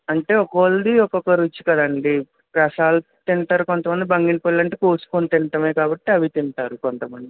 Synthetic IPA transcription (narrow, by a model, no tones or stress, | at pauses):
ɐɳʈe̞ːɔkɐʋɐld̪iɔkɔkɐɾut͡ʃːi̥kɐd̪ɐɳɖi | pɾɐsaːl | t̪iɳʈ̪aːɾukont̪ɐmɐnd̪ibɐŋɡinpollɐɳʈeːkoːsu̥konit̪iɳʈɐmeːkaːbɐʈːiɐʋit̪iɳʈaːɾukont̪ɐmɐnd̪i